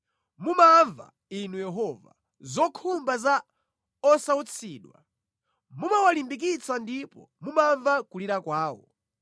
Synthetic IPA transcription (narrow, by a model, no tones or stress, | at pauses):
mumaɱva̰ | inujɛɦɔva̰ | zɔkʰumbaza | ɔsaut͡sʰiːɗwa̰ | mumawalimbik̬it͡sʰandipɔ̰ | mumaɱvakuliɾakwaːwɔ̰